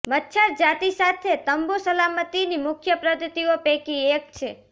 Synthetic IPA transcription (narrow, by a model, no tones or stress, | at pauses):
mətːʃʰəɾd͡ʒat̪isat̪ʰet̪əmbosəlamət̪inimʊkʰjəpɾəd̪ət̪iopekiek̚t͡ʃʰe